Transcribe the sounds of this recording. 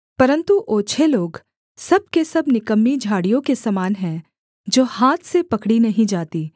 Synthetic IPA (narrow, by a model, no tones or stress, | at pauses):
pɐɾə̃nt̪uʔoːt͡ʃʰeloːɡ | sɐb̚kesɐbnɪkəmːid͡ʒʱaːɽijõkesɐmaːnɦɛ̃ | d͡ʒoːhaːt̪ʰsepɐkɽinɐɦĩd͡ʒaːt̪iː